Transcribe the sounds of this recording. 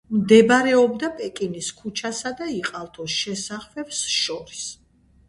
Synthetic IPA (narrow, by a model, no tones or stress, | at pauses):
md̪ɛbɾɛɔbd̪apʼɛkʼiniskʰut͡ʃʰasad̪aiqʼalˠt̪ʰɔsʃɛsaχvɛbsʃɔɾis